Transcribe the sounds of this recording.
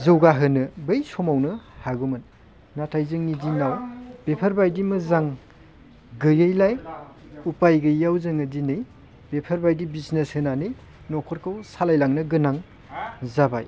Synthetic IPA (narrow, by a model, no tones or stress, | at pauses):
zɯwɡaɦɯnɯbɯjsɔmawnɯhaɡumɯnː | atʰajzɯŋnidinawb̥epʰɐɾbajdimɯzaŋ | ɡɯjɯjlaj | upajɡɯjawzɯŋɯdinɯj | bepʰɐɾbajdibisneshɯnanɯj | nɔkʰɔɾkʰawsalajlaŋnɯɡɯnaŋ | zaba̰j